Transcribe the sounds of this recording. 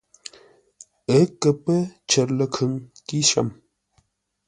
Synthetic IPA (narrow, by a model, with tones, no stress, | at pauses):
ə˦kːə˨pə˦t͡ʃʰə˨ɾlə˦kʰə˨ŋki˦ʃa̰˨m